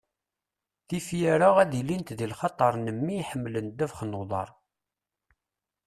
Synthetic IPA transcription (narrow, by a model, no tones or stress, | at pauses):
θifjæɾaʁæðilint̪ðilχɑt̪ˤːɑɾˤnəmːiħəmːlənd̪ævχnəwðˤɑ̰ɾˤ